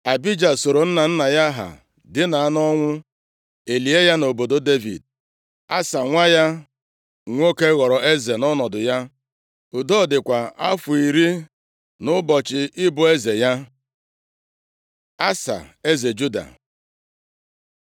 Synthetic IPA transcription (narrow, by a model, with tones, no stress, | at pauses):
a˨bi˦d͡ʒa˨so˨ɾo˨n̩˦na˨n̩˦na˨ja˦ɦa̰˨ | dɪ˦na˨a˦nɔ˦ŋʷʊ˦ | e˨li˨e˦ja˦no˨bo˨do˦de˦vḭ˨d̚ | a˦sa˨ŋʷa˦ja˦ | ŋʷ˦o˦ke˦ɣɔ˨ɾɔ˨e˦ze˨nɔ˦nɔ˨dʊ˨ja˦ | ʊ˨dɔ˦˨dɪ˨kʷa˨a˦fʊ˨i˨ɾi˦ | nʊ˦bɔ˨t͡ʃɪ˨ʔɪ˦bʊ˨e˦ze˨ja˦ | a˦sa̰˨e˦ze˨d͡ʒu˦da̰˨